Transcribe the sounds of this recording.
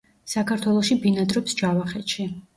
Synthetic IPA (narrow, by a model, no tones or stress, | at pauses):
sakʰaɾt̪ʰwɛlˠɔʃibinad̪ɾɔpsd͡ʒavaχɛt̪ʃi